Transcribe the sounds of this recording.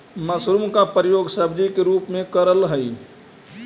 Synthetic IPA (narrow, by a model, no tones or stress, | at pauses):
məsɾumkapɾijoːɡsəbd͡ʒikeɾupmẽkəɾəlɦəj